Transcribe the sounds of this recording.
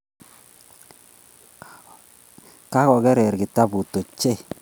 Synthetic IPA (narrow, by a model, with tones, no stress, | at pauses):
ka˦kɔ˨ɡɛ˦ɾɛ˨ɾɡɪ˨ta˦bu˨to˨t͡ʃe˦